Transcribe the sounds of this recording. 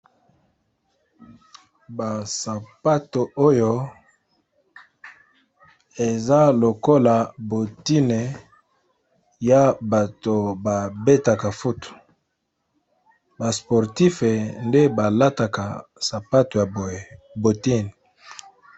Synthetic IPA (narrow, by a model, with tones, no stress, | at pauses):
ba˨sa˨pa˦to˨o˦jo˦ | e˨za˦lo˨ko˦la˨bo˨ti˦ne˨ | ja˦ba˨to˨ba˨be˦ta˨ka˨fu˦tu̥˨ | ba˨spo˨ʁti˦fe˨nde˦ba˨la˦ta˨ka˨sa˨pa˦to˨ja˨bo˨e˨ | bo˨ti˦n˨